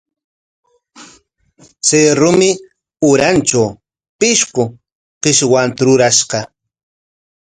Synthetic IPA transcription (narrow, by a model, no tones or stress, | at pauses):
seɾʊmɪ | ʊɾant͡ʃaw | pɪʃqʊ | qɪʃwant̪aɾʊɾaʃqɑ